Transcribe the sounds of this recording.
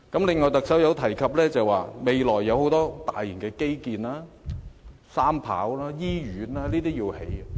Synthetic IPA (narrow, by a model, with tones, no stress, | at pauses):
kɐ˨˥mlɪ˨˧ŋːɔː˨˩jt̪ɐ˨k̚sɐ˨˥wjɐ˨˧wt̪ʰɐ˨˩jkʰɐ˨p̚lɛː˥t͡sɐ˨˩waː˨me˨˧jlɔː˨˩jːɐ˨˧who˨˥wt̪ɔː˥t̪aː˨jːi˨˩nkɛː˧ke˥jkiː˨naː˥ | saː˥mpʰa̰ː˨˥wlaː˥jiː˥jyː˨˥naː˥liː˥t̪iː˥jiː˧whe˨˥j